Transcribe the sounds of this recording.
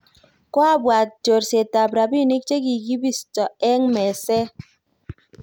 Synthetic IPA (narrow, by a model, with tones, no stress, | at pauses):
kwa˦bwa˨t̚d͡ʒo˨ɾse˨ta˨bɾa˨bi˦˨ni˦k̚t͡ʃe˦k̬i˨ɡi˦bi˦stɔ˨ɛ˦ŋmɛ˨sɛ˦